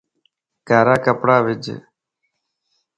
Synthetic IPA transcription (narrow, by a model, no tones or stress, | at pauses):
kaːɾaːkəpɽaːʋɪd͡ʒ̰